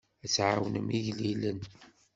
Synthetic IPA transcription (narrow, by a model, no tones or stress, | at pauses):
æt͡sʕawnəmiʝlilən